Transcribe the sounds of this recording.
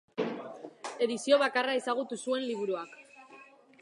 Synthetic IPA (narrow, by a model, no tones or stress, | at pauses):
e̞ðisio̞βakarae̞saɣ̞ut̪usue̞nliβ̞uɾuak